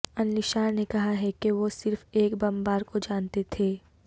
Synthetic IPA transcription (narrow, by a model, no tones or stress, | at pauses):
ɐnlɪʃaːɾnekɐɦaɦɛkeʋosɪɾfeːkbɐmbaːɾkod͡ʒaːnt̪et̪ʰeː